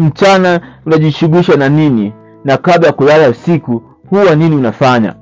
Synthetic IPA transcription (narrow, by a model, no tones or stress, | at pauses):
m̩t͡ʃanaunaʄiʃuɡwiʃananini | nakablajakulalausiku | huwaniniunafaɲa̰